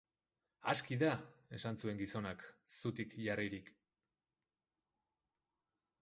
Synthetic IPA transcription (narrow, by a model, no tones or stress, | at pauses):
a̰skiðae̞sansue̞ŋɡiso̞naksut̪ikʝariɾik